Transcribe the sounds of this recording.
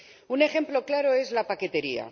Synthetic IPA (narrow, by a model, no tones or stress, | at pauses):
une̞xe̞mplo̞klaɾo̞e̞zlapake̞t̪e̞ɾia̰